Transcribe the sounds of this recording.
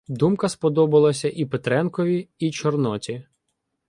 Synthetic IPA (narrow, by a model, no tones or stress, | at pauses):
d̪umkɐspɔd̪ɔbɐlˠɐsʲɐʔipet̪ɾɛnkɔʋʲiit͡ʃɔrnɔt͡sʲi